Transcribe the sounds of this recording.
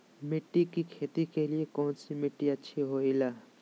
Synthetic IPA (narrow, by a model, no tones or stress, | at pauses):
mɪʈːikikʰeːt̪ikeliekɔːnsimɪʈːiətːʃʰiɦoilaː